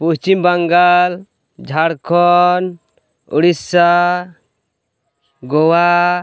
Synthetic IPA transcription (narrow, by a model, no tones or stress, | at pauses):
puɦt͡ʃimbaŋɡal | d͡ʒʱaɽkʰɔn | ṵɽisa | ɡɔwa